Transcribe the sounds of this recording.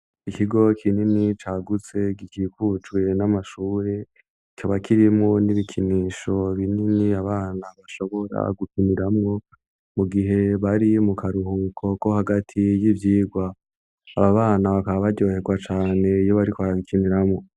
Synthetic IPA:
ikiɡo̞kʰininit͡ʃaːɡut͡se̞ɡikiːkut͡ʃɡwe̞namaʃuːɾe̞ | icoβakʰiɾimŋoniβikʰiniːʃo̞βininiaβaːnaβaʃo̞βo̞ɾa̰ɡukiniɾamŋo̞ | muɡiɦe̞βaɾimukʰaɾuhukʰo̞ko̞haɡatʰijivjiːɡwaː | βaβaːnaβakaβaβaɟo̞ːhe̞ɡwat͡ʃaːne̞ijo̞βaɾikoaaβikʰiniɾamŋo̞

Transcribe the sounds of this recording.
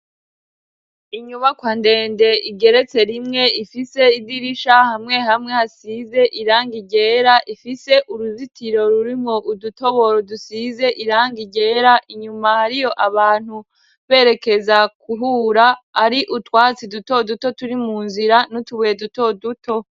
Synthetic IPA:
iɲuβakwande̞ːnde̞iɡe̞ɾe̞t͡se̞ɾimŋe̞ifise̞idiɾiʃahamŋe̞ɦamŋe̞hasiːze̞ʔiɾaːŋɡiɟe̞ːɾaʔifise̞ʔuɾuzitiɾo̞ɾuɾimŋo̞ʔuduto̞βo̞ɾodusize̞ʔiɾaːŋɡiɟe̞ːɾaʔiɲumahaɾijo̞ʔaβaːn̥hu | βe̞ːɾe̞ke̞zakuɦuːɾaːɾiʔutwaːt͡siduto̞duto̞tuɾimuːnziɾanotuβeːduto̞dutʰo̞

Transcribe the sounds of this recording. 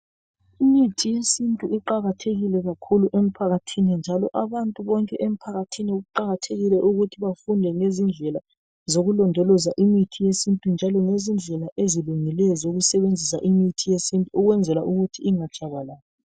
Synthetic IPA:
imitʰijesintʼuiǃaɣatʰeɣilɛɣakʰuluʔem̩pʰaɣatʰinind͡ʒʱalɔʔaβantʼuβɔŋkʼɛʔem̩pʰaɣatʰiniuɣuǃaɣatʰeɣilɛʔuɣutʰiβafundʱɛŋezind͡ɮʱɛla | zoɣulɔndʱɔlɔzaʔimitʰijesintʼund͡ʒʱalɔŋezind͡ɮʱɛlaʔeziluŋilɛjɔzoɣusɛβend͡zʱisa̰ʔimitʰijesintʼuuɣwɛnd͡zʱɛlaʔuɣutʰiiŋad̥ʒ̥ʱʼaɣwalaːjɔ

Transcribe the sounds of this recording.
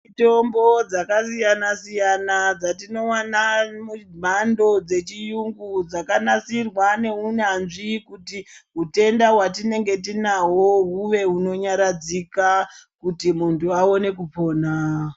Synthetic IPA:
ito̞mbo̞d͡zakasijanasijanad͡zatino̞wanamum̤ando̞d͡ze̞t͡ʃijuŋɡud͡zakanasirwane̞unanʐikutiɦute̞ndaɦwatine̞ŋɡe̞t̬inaɦo̞ɦuʋe̞ɦuno̞ɲaɾad͡zikakutimuntuao̞ne̞kupo̞ːna

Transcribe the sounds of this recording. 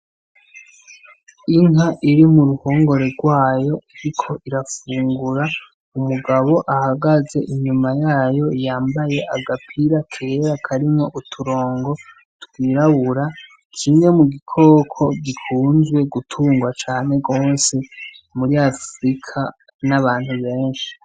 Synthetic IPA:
iŋaʔiɾimuɾuho̞ːŋɡo̞ɾe̞ɡwaːjo̞iɾikʰo̞ʔiɾafuːŋɡuɾa | umuɡaβo̞ʔahaɡaze̞ʔiɲumajaːjo̞ijaːmbaje̞ʔaɡapʰiɾakʰe̞ɾakʰaɾimŋo̞ʔutʰuɾo̞ːŋɡo̞ | twiːɾaβuɾa | t͡ʃʰiːŋemuɡikʰo̞ːkʰo̞ɡikʰuːnzwe̞ɡutʰuːŋɡwat͡ʃaːne̞ɡo̞ːse̞muɾiafɾikʰa | naβaːn̥huβe̞ːnʃi̥

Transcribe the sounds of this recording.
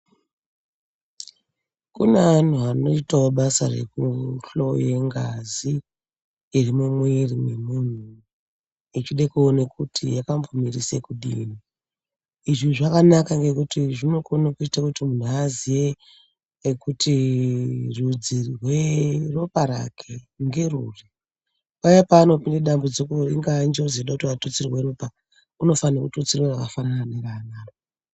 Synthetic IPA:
kunean̤uano̞itaoɓasa̰re̞̰kuɬojeŋɡaziː | rimemwerimwemun̤u | it͡ʃiɗekuonekutʰijakambomirisekuɗḭːni | iʐiʐakanakaŋɡe̞kutiʐino̞konakuitakutimun̤uazije | kutʰi | rud͡zirwero̞paɾa̰kʰe | ŋɡe̞ruri | pajapaːno̞pindeɗambod͡zokuriŋɡand͡ʒeod͡zeɗakutiʋatot͡sirirweɾopa | uno̞fanakutut͡siriwerakafanananeranaːro

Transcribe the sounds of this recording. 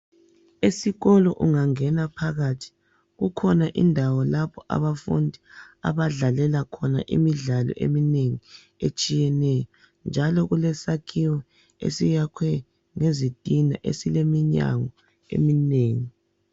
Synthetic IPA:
esiɣɔlɔʔuŋaŋɛnapʰaɣatʰi̥ | ɣukʰɔnaʔḭndʱawɔlapʰɔʔa̰βafṵndʱia̰βaɮalɛlakʰɔna̰ʔḭmiɮalɔ̰ʔḛmineŋi | et͡ʃʼijɛnɛjɔ | nd͡ʒʱalɔɣulɛsakʰiwɔ | ḛsijakʰwɛ | ŋezid̥ʱina̰ʔḛsilemiɲa̰ŋɔ | ḛmineːŋi

